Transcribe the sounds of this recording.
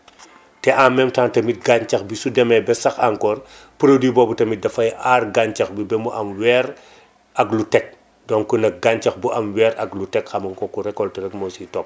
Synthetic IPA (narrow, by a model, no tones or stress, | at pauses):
tɛʔamːɛmtaːntɐmit̚ɡaɲt͡ʃɐxbisudɛmɛbɛsɐxaŋkɔːɾ | puɾodiːbɔːbutɐmidɐfɐjaːrɡaɲt͡ʃɐxbibɛmuʔɐmwɛɾ | ɐklutɛk̚ | dɔŋkunɐk̚ɡaɲt͡ʃɐxbuʔɐmwɛːɾɐklutɛkxɐmɐŋkɔkuɾɛkːɔltɐɾɛkmɔsitɔp̚